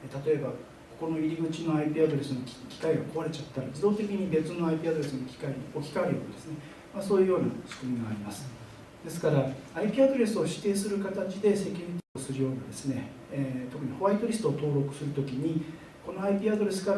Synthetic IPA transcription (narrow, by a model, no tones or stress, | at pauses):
t̪at̪o̞e̞ba | ko̞̥ko̞no̞iɾʲiɡɯ̟t͡ɕino̞aipʲiːad̪o̞ɾe̞sɨnokʲi̥kaiɡako̞βaɾe̞t͡ɕat̪ːaɾad͡ʑid̪o̞ːt̪e̞kʲiɲ̟ibe̞t͡sɨno̞aipʲiːad̪oɾe̞sɨnokʲi̥kaiɲio̞kʲi̥kaeɾɯjo̞̰ːna̰d̪esɨne̞ | maso̞ːjɯ̟jo̞ːnasɨ̥kɯ̟mʲiɡaːɾʲimasɨ̥ | d̪̥e̞sɨ̥kaɾaaipʲiːad̪o̞ɾe̞sɨo̞ɕi̥t̪ːe̞ːsɨɾɯ̟kat̪at͡ɕid̪e̞se̞kʲoɾʲit̪oosɨɾɯjo̞ːnad̪e̞sɨne̞ | t̪o̞kɯ̟ɲ̟iho̞βait̪oɾʲisɨ̥t̪oːt̪o̞ːɾo̞kɯ̟̥sɨɾɯ̟t̪o̞kʲiɲ̟i | ko̞no̞aipʲiːad̪o̞ɾe̞sɨ̥ka